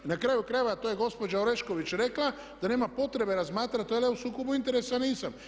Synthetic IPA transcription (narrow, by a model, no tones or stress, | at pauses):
nakɾaːjukɾajeʋat̪oje̞ɡo̞spo̞d͡ʒaoɾeʃko̞ʋit͡ɕɾe̞kla | d̪ane̞ːmapo̞t̪ɾe̞be̞ɾazmaːt̪ɾat̪oaleusuːkobuint̪e̞ɾesaniːsam